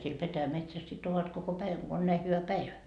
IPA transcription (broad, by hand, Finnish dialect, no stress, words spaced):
siel petæjæmetsæs sit oʋɑt koko pæiʋæŋ ɡ̊o on næi hyʋæ pæiʋæ